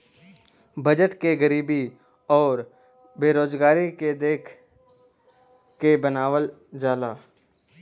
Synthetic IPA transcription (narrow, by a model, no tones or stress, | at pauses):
bɐd͡ʒəʈkeɡəɾiːbi | ɔːɾ | beːɾoːd͡ʒɡaːɾiked̪eːkʰ | kebənaːʋəld͡ʒaːlaː